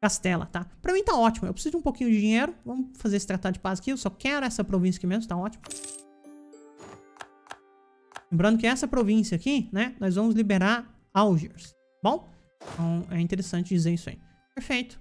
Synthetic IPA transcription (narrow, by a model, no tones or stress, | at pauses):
kast̪ɛlɐ̰t̪apɾɐmĩt̪aɔt͡ʃimʊewpɾɪ̥sizʊd͡ʒɪũpokĩɲʊd͡ʒɪd͡ʒĩɲeɾʊvɐ̃mʊfazeɾesɪ̥t̪ɾat̪ad͡ʒɪpazɪkiewsɔkɛɾʊɛsɐpɾovĩsjɐkɪmẽzmʊt̪aɔt͡ʃimɐ | lẽmbɾɐ̃nd̪ʊkɪɛsɐpɾovĩsjɐakinɛnɔjzvɐ̃mʊzlibeɾaɾ | awʒeɾs | bõw̃ | t̪ɐ̃w̃ɛĩt̪eɾesɐ̃nt͡ʃɪd͡ʒizeɾisʊɐ̰ḭ | peɾfejt̪ʊ̥